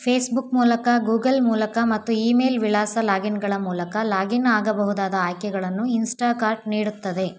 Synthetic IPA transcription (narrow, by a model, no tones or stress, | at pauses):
pʰeːsbukmuːlɐkɐɡuːɡɐlmuːlɐkɐmɐt̪ːuiːme̞ːlʋilaːsɐlaːɡinɡɐɭɐmuːlɐkɐlaːɡinaːɡɐbɐɦud̪aːd̪ɐaːjkɛɡɐɭɐnːuinsʈaːkaːɾʈ̚niːɽut̪ːɐd̪e̞